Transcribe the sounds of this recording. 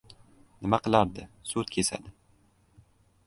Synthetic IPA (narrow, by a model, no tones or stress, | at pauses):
nɪmaqɨlˠaɾd̪ɪsut̪kʲʰesa̰d̪ɪ